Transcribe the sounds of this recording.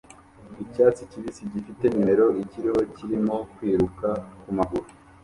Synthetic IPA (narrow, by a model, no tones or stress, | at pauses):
icaːt͡siciβisiɟifite̞ɲimeɾo̞iciɾiho̞ciɾimo̞kwiːɾukakumaɡuɾu